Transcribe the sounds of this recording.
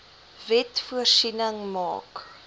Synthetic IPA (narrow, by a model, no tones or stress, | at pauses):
vɛtfuərsinəŋmɑ̰ːk